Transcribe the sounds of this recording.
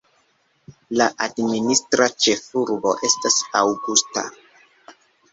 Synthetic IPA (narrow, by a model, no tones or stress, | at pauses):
laʔadministɾat͡ʃe̞fuɾbo̞̰ʔe̞stasawɡusta̰